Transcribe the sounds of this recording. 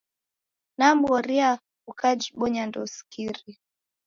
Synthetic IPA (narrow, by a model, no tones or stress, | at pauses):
nam̩ɡɔɾia | ukad͡ʒiɓɔɲandɔskʰiɾi